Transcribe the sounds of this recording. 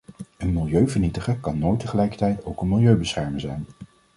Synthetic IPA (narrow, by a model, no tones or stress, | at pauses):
ənmɪlˠjøɥvəɹnitəχəkɑnːojtəχəlɛjkə̥ɹtɛjtowkənmɪlˠjøɥbəsχɛɹməŋzɛjn